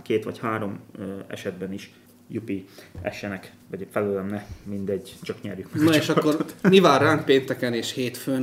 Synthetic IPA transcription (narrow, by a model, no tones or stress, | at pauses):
keːt̪ʋɒchaːɾo̞mɛ̰ʃɛd̪bɛniʃ | jupiɛ̰ʃɛnɛk | ʋɒɟfɛløːlɛmnɛmind̪ɛɟt͡ʃɒkɲɛrjykmɛnoeʃɒkkːornivaːrːaːŋpeːnt̪ɛkɛneːʃheːt̪føːn